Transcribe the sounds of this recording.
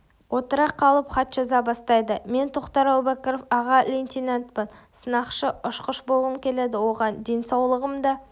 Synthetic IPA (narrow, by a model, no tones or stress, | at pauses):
wo̞t̪əɾɑqʰːɑlˠəpχɑt̪ʒɑzɑbɑst̪ɑjd̪əme̞nt̪ʰo̞qt̪ɑɾwˠbækʲeɾofɑʁɑlʲenʲt̪ʲinant̪pɪnsənɑqʃəʊʃqəʃbolˠʁəmkʲʰe̞led̪ɪwo̞ʁɑnd̪e̞nsɑwlˠəʁəmd̪ɑ